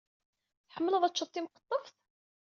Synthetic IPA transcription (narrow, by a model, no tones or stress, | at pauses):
θħəmːələðˤæt͡ʃːət̪ˤːimqə̥t̪ˤːəfθ